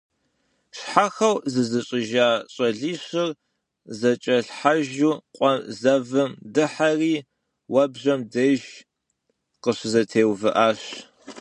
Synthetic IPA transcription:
ʃħaxɐwzɨzɨɕʼɪʒaːɕʼɐɮiːɕɪr | zɐt͡ʃʼɐɬħaʒuːqʷʼɔzɐvɨmdɨħariː | wɐbʑɐmdeʒ | qəɕɪzɐtʰeːwvɨʔaːɕ

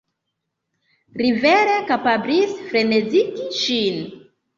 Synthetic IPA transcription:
ɾiveɾekapablisfɾe̞neziɡiʃin

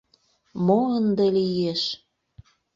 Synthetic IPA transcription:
moənd̪elijeʃ

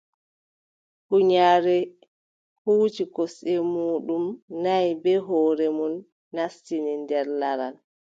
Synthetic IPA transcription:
huɲaːɾɛ | huːt͡ʃikɔsɛmuːɗumnajbɛɦɔːɾɛmunː | astinindɛɾlaɾal

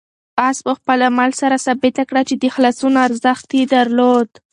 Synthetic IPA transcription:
aspəxpəlamalsaɾasabɪt̪akɽat͡ʃed̪əxlasunaɾzəxt̪ed̪aɾlod̪

